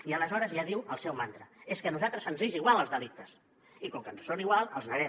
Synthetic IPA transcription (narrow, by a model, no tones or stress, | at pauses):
iələzɔɾəzjaðiwəlˠsɛwmant̪ɾəeskənuzat̪ɾəzənziʒiɣwalˠəlˠzðəlik̚t̪əs | ikɔmkənssoniɣwalˠəlˠznəɾɛm